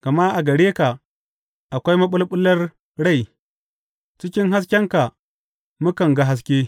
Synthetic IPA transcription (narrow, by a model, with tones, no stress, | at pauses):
ka˨ma˦ʔa˨ɡɐ˨ɽeː˦ka˨ | ʔa˨kʷa˦jmɐ˦ɓʊ˦lɓʊ˦lːɐ˦r | ɽa˦˨j | t͡ʃɪ˦kʲɪ˦ŋɦa˦s̬kʲɐ˦ŋka˨ | mu˦kɐ˨ŋɡa˦ɦa˦s̬kʲeː˦